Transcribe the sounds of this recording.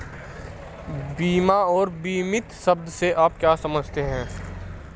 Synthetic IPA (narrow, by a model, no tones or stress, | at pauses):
biːmaɔːɾbiːmɪt̪sɐbd̪seʔaːp̚kjaːsɐməd͡ʒʱt̪eɦɛ̃ː